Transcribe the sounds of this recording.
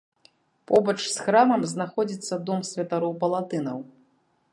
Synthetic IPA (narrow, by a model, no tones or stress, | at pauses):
pɔbɐt͡ʂsxɾamɐmznaxɔd͡zʲit̪sːɐd̪ɔmsʲvʲɐt̪aɾɔwpɐlˠat̪ɨnɐw